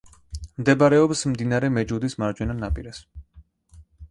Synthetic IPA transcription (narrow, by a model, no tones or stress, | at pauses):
md̪ɛbaɾɛɔpsmd̪inaɾɛmɛd͡ʒud̪ismaɾd͡ʒwɛnanapʼiɾɛs